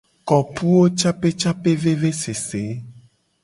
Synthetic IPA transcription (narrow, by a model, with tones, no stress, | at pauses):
kɔ˨pu˦wo˦t͡ʃa˦pe˦t͡ʃa˦pe˦ve˦ve˦se˨se˨˦